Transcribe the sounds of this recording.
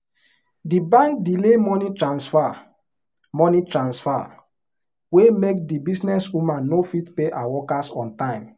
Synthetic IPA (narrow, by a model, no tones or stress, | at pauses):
dibãŋk̚dilemɔnitɹãnsfa | mɔnitɹãnsfa̰ | wemek̚dibisnɛswumãnːofitpeʔawɔkasɔ̃ntãɪ̃m